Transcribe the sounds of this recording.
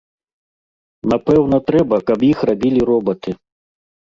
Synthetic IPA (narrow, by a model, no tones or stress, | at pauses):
napɛwnɐt̪ɾɛbɐkɐpjixrabʲilʲiɾɔbɐt̪ɨ